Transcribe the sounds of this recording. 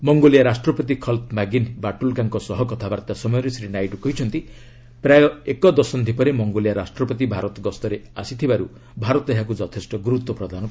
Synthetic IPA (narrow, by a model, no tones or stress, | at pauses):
mɔŋɡolijaɾasʈɾɔpɔt̪ikʰɔlt̪maɡinbaʈulɡaŋkɔsɔɦɔkɔt̪ʰabaɾt̪asɔmɔjɔɾesɾinajʈukɔɦit͡ʃʰɔnt̪i | pɾajɔekɔd̪ɔsɔnd̪ʱipɔɾemɔŋɡolijaɾasʈɾɔpɔt̪ibʱaɾɔt̪ɔɡɔst̪ɔɾeasit̪ʰibaɾu | bʱaɾɔt̪ɔeɦakud͡ʒɔt̪ʰesʈɔɡuɾut̪ːwɔpɾɔd̪ʱanɔ